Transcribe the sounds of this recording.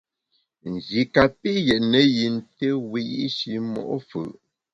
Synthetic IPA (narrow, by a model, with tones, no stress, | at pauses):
n̩˨zi˨ka˨pi˦jɛ˨ʔnə˨ji˨n̩˦te˦wi˦jḭ˦ʃi˨mɔ̰˨ʔfə̰˨ʔ